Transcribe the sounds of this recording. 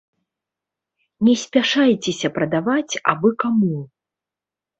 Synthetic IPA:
nʲɛsʲpʲaʂajt͡sʲɛsʲɐpɾɐd̪avat͡sʲa̰bɨkamu

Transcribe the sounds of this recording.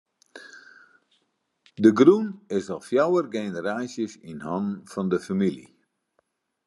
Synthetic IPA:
dəɡrunɪsɔlˠfjawərɡenəɾaːsjəsinhɔnn̩fɔndəfamilḭ

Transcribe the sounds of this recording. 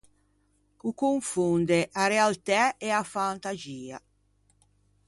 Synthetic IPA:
ukuɱfund̪eʔaɾealt̪ɛɛafant̪aziːa̰

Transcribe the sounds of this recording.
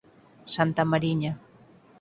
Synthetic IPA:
sant̪amaɾiɲa

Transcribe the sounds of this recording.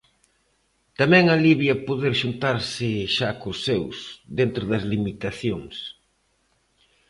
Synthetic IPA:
t̪amɛ̃ŋɐliβjɐpoðeɾʃunt̪aɾsɪʃakosewsðent̪ɾʊðɐzlimit̪aθjoŋs

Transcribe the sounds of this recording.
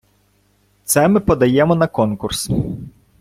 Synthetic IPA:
t̪sɛmɪpɔd̪ɐjɛmɔnɐkɔnkʊrs

